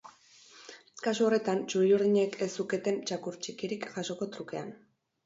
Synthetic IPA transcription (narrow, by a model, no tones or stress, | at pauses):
kasuo̞re̞t̪ant͡ʃuɾiuɾðiɲe̞kʰesuke̞t̪e̞nt͡ʃakuɾt͡ʃikiɾikʝaʃo̞ko̞t̪ɾuke̞an